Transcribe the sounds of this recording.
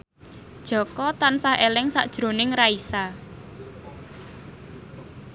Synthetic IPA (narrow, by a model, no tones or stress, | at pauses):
d̥ʒ̥ɔ̤kɔt̪ansahelɪŋsa̰ʔd̥ʒ̥ɾo̤nɪŋraisa